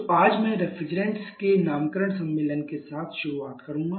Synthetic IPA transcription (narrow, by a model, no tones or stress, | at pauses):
oaːd͡ʒmɛ̃ɾɛfʰɾɪd͡ʒɾẽɳʈskenaːmkəɾəɽ̃sɐ̃mːeːlənkesaːt̪ʰʃʊɾuaːt̪kɐɾũŋɡa